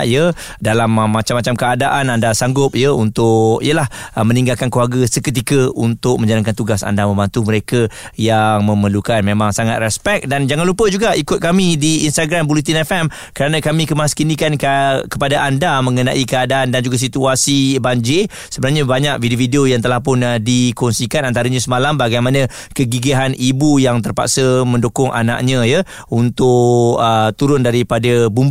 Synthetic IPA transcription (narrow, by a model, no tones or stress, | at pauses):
jə | dalammːat͡ʃamːat͡ʃamkəadaʔanandasaŋɡʊp̚jəunt̪ʊkijəlahəmə̃niŋɡalkankluarɡəsəkət̪̬ikəunt̪ʊk̚mə̃ɲd͡ʒalankant̪uɡasa̰ndamə̃mbant̪ʊhməɾekə | jaŋmə̃məlukanmemaŋsaŋat̪̚rɛspɛk̚dand͡ʒaŋanlupəd͡ʒuɡaʔikʊt̪̚kamidiːnst̪aɡɾambulit̪̬inɛfɛm | kəɾanãkamĩkəmaskinikankkəpadaʔandamə̃ŋəna̰ʔikəadaandand͡ʒuɡas̬it̪uasibaɲd͡ʒe | səbənarɲabaɲak̚vidiofideojaŋt̪əlahpʊndikɔnsikanant̪aɾaɲãsəmalambaɡajmanə̃ | kəɡiɡiɦanibujaŋt̪ərpa̰ʔsəmə̃ndokʊŋʔa̰na̰ʔɲə̃jə | unt̪ʊʔət̪uɾʊndaɾipadəbumb